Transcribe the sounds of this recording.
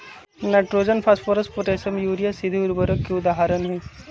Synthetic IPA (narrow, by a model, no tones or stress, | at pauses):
neʈɾoːd͡ʒənpʰɐspoɾɐspoʈ̪eːsɐmjuːɾijasɪd̪ʱiʊɾbəɾəkːeʊd̪aːɦaɾənɦɛ